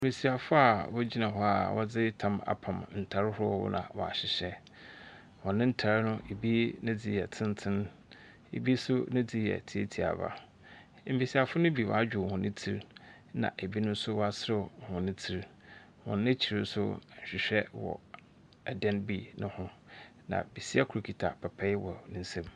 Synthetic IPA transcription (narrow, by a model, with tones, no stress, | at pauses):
m̩˨bi˨si˨a˨fʊ˦a˨wɔ˦d͡ʑi˦nã˨ɦɔ˦a̰˨wʔɔ˦d͡zɪ˦tʰã˦ma̰˨pʰã˨mn̩˨tʰa˨ɾɪ˦hʊ˦ɔ˦wʊ̰˦nã̰˨wɔ˨a̰˨ɕɪ˨ɕɛ˦ | wɔ̃˨nɪ̃˦n̩˦tʰa˨ɾɪ˦nʊ̃˦ʔe˨bi˦nʊ̃˦d͡zɪ˦jɛ˨tʰɪ̃˦n˦tʰɪ̃˦n | ḛ˨bi˦sʊ˦nʊ̃˦d͡zɪ˦jɛ̰˨tʰi˦e˦tʰi˨a̰˨ba̰˨˦ | m̩˦bi˨si˨a˨fʊ˦nʊ̃˦bi˨wɔ̰˨a˦d͡ʑᶣɪ˨hʊ̃˨nɪ̃˦tʰi˦ɾ | nã̰˨ʔe˨bi˦nʊ̃˦n̩˦sʊ˦wa˨sɾɪ˦˨hʊ̃˨nɪ̃˦tʰi˦ɾ | hɔ̰̃˨nː˦ɪ̃˦t͡ɕʰi˨ɾɪ˦n˦sʊ˦˨ɕᶣɪ˨ɕᶣɛ˦wɔ̰˨ | ɛ˨dɛ̃˦nbi˦nʊ̰̃˦hʊ̃˦ | nã̰˨bi˨si˦a˦kʰu˨ɾu˨kʰi˨tʰa˨pʰa˨pʰɛ˦wɔ˨nɪ̃˦n̩˦sɛ̃˦m